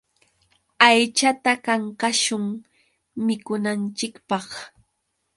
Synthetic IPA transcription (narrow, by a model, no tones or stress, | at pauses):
ajt͡ʃat̪akaŋkaʃʊŋ | mɪkʊnant͡ʃɪkpɑχ